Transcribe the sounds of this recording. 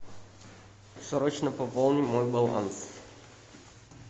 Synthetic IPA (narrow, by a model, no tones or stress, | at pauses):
sɔɾɔt͡ɕnɐpɔpɔlˠnʲimɔjbɐlˠa̰ns